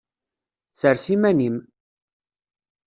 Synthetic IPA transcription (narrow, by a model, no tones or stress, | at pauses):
t͡sːəɾsimænim